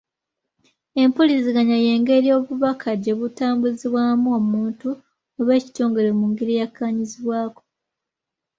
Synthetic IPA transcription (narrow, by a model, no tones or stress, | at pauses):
e̞mpolisiɡaɲaje̞ːŋɡe̞ɾijo̞ːβuβakʰaɟe̞βutaːmbuziβwaːmuomuːntu | oβe̞ːci̥to̞ːŋɡe̞ɾe̞muːŋɡiɾijakːaːɲiziβwaːko̥